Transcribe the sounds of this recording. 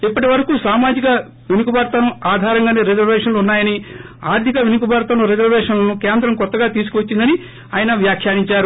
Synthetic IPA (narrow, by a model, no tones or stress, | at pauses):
ipːɐʈiʋɐɾɐkuːsaːmaːd͡ʒikɐ | ʋinukubaːɾt̪ɐnuaːd̪ʱaːɾɐŋɡaːneːɾed͡ʒɐɾʋeːʂɐnluunːaːjɐni | a̰ːɾt̪ʰikɐʋinukubaːɾt̪ɐnuɾed͡ʒɐɾʋeːʂɐnlɐnukeːnd̪ɾɐmkɔt̪ːɐɡaːt̪iːs̬u̥kuʋɐt͡ʃːind̪ɐni | aːjɐnɐʋjaːkʰjaːɽiɲt͡ʃaːɾu